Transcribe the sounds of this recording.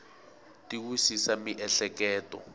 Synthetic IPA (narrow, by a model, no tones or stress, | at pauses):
tiwisisamiʔɛɬɛkɛːtɔ̰